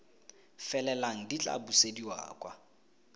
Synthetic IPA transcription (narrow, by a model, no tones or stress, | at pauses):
fɛlɛlaŋ̩dit͡ɬʼa̰busediwa̰ːkʼwa̰